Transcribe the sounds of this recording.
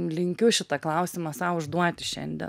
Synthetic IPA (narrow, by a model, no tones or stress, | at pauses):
lʲɪŋʲkʲʊʃʲɪt̪ɐklˠɐʊsʲɪmɐsɑʊʊʒd̪uɔt̪ʲɪʃʲɛ̰nʲd̪ʲɛ̰